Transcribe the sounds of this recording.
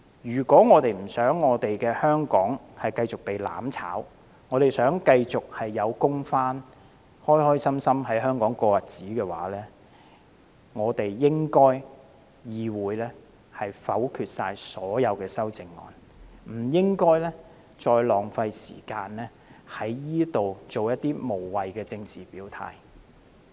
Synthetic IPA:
jyː˨˩kʷɔː˨˥ŋɔː˨˧t̪e˨jm̩˨˩sœː˨˥ŋːɔː˨˧t̪e˨jkɛː˧hœː˥ŋkɔː˨˥ŋhɐ˨jkɐ˧jt͡sʊ˨k̚pe˨jla̰ː˨˥mt͡sʰa̰ː˨˥w | ŋɔː˨˧t̪e˨jsœː˨˥ŋkɐ˧jt͡sʊ˨k̚hɐ˨jːɐ˨˧wkʊ˥ŋfaː˥n | hɔː˥jhɔː˥jsɐ˥msɐ˥mɦɐ˨˥jɦœː˥ŋkɔː˨˥ŋkɔː˧jɐ˨t̚t͡siː˨˥kɛː˧wa̰ː˨˥lɛː˥ | ŋɔː˨˧t̪e˨jːɪ˥ŋkɔː˥j | jiː˨˧wuː˨˥jlɛː˥ | hɐ˨jfɐ˨˥wkʰyː˨t̚saː˧jsɔː˨˥jɐ˨˧wkɛː˧sɐ˥wt͡sɪ˨ŋːɔ̰ː˨n | m̩˨˩jɪ˥ŋkɔː˥jlɛː˥ | t͡sɔː˧jlɔː˨˩ŋfɐ˧jsḭː˨˩kaː˧nlɛː˥ | hɐ˨˥jːiː˥t̪o˨wt͡so˨wjɐ˥t̪̚ːiː˥mo˨˩wwɐ˨jkɛː˧t͡sɪ˧ŋt͡siː˨˩piː˨˥wt̪ʰa̰ː˧j

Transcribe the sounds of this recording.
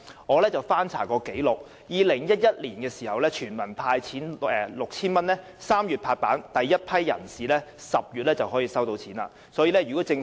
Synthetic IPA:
ŋɔː˨˧lɛː˥t͡sɐ˨˩wfaː˥nt͡sʰa̰ː˨˩kɔː˧ke˨˥jlʊ˨k̚ | jiː˨lɪ˨˩ŋjɐ˥t̚jɐ˥t̚liː˨˩nkɛː˧siː˨˩hɐ˨wlɛː˥t͡ʃʰyː˨˩nmɐ˨˩npʰaː˧jt͡sʰiː˨˥nɛː˨˩lʊ˨k̚t͡sʰiː˥nmɐ˥nlɛ˥ | saː˥mjyː˨t̚pʰaː˧t̚paː˨˥nt̪ɐ˨jːɐ˥t̚pʰɐ˥jːɐ̰˨˩nsiː˨lɛː˥sɐ˨p̚jyː˨t̚lɛː˥t͡sɐ˨wɦɔː˨˥jiː˨˧sɐ˥wt̪o˧wt͡sʰiː˨˥naː˧˥ | sɔː˨˥ji˧lɛ˥jyː˨˩kɔ˨˥t͡sɪ˧ŋ

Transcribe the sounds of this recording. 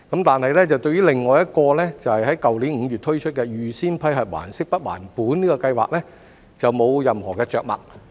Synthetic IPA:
kɐ˨˥mt̪aː˨nhɐ˨jlɛː˥t͡sɐ˨wt̪ɵ˧ɥjyː˥lɪ˨ŋːɔː˨jɐ˥t̚kɔː˧lɛː˥t͡sɐ˨˩whɐ˨jɦɐ˨˥jkɐ˨wliː˨˥nŋ̩˨˧ɥy˨t̪̚ʰɵ˥ɥt͡ʃʰɵ˥t̚kɛː˧jyː˨siː˥npʰɐ˧˥jɦɐ˨t̚wa̰ː˨˩nsɪ˥k̚pɐ˥t̚wa̰ː˨˩npuː˨˥niː˥kɔː˧kɐ˧jwa̰ː˨k̚lɛː˥ | t͡sɐ˨wmo˨˧wjɐ˨mhɔː˨˩kɛː˧t͡ʃœː˨k̚mɐ̰˨k̚

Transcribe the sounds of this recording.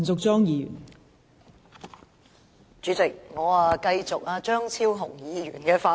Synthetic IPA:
nt͡sʊ˨k̚t͡ʃɔː˥ŋjiː˨˧jy̰˨˩n | t͡ʃyː˨˧˥t͡sɪ˨k̚ŋɔː˨˧a˨˧kɐ˧jt͡sʊ˨k̚aː˧t͡ʃœː˥ŋt͡sʰiː˥wɦʊ˨˩ŋjiː˨˧ɥy̰ː˨˩nkɛː˧faː˨˧

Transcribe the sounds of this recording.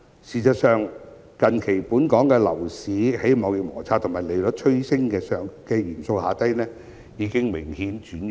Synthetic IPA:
siː˨˩sɐ˨t̚sœː˨ŋ | kɐ˨nkʰe˨˩jpuː˨˥nkɔː˨˥ŋkɛː˧lɐ̰˨˩wsiː˨˥he˨˥jmɔː˨˧wjɪ˨k̚mɔ̰ː˨˩t͡sʰaː˧t̪ʰʊ˨˩maː˨˩jle˨˩jlɵ˨˥t͡ʃʰɵ˥ɥsɪ˥ŋkɛː˧sœː˨ŋkɛː˧jiː˨˩nso˧whaː˨˧t̪ɐ˥jnɛː˥ | jiː˨˧˥kɪ˥ŋmɪ˨˩ŋhiː˨˥nt͡ʃyː˨˥n

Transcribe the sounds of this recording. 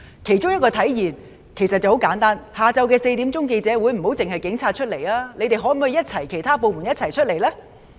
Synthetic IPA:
kʰe˨˩jt͡sʊ˥ŋjɐ˥t̚kɔː˧t̪ʰɐ˨˥jjiː˨˩n | kʰe˨˩jsɐ˨t̚t͡sɐ˨who˨˥wkaː˨˥nt̪aː˥nhaː˨˧t͡sɐ˧wkɛː˧se˧jt̪iː˨˥mt͡sʊ˥ŋk̬e˧jt͡sɛː˨˥wuː˨˧jm̩˨˩ɦo˨˥wt͡sɪ˨ŋɦɐ˨jkɪ˨˥ŋt͡sʰaː˧t̚t͡ʃʰɵ˥t̚le˨˩jaː˥le˨˧jt̪e˨jɦɔ˨˥m˨˩hːjɐ˥t̚t͡sʰɐ˨˩jkʰe˨˩jt̪ʰaː˥po˨wmu˨˩njɐ˥t̚t͡sʰɐ˨˩jt͡ʃʰɵ˥t̚le˨˩jlɛː˥

